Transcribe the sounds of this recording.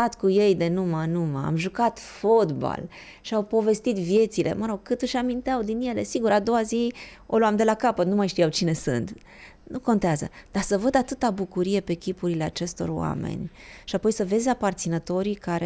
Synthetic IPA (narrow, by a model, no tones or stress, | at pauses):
at̪kuje̞jd̪e̞numənuməa̰mʒukat̪fot̪ba̰l | ʃiawpo̞ve̞st̪it̪vje̞t̪sile̞̰məɾo̞ɡ̚kɨt̪ɨʃamint̪eawd̪inje̞le̞siɡuɾad̪o̞wazio̞luamd̪e̞lakapət̪numajʃt̪ijawt͡ʃine̞sɨ̰nt̪ | nukont̪eazə̰d̪̥asəvəd̪at̪ɨt̪abukuɾije̞pe̞kʲipuɾile̞at͡ʃe̞st̪o̞̰rowa̰me̞̰nʲ | ʃiapo̞jsəve̞zʲapart̪sinət̪o̞ɾikaɾe